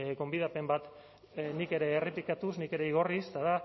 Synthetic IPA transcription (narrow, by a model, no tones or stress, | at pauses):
ɡo̞mbiðape̞mbat̪ | nike̞ɾe̞ːrip̪ikat̪usnike̞ɾe̞iɣ̞o̞rist̪aða